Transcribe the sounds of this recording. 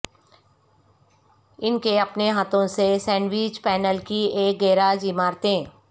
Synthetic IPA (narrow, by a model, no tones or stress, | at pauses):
ɪnkeɐpneɦaːt̪ʰõsesɛ̃ːnɖʋiːd͡ʒpɛːnəlkieːk̚ɡeːɾaːd͡ʒimaːɾt̪eɛ̃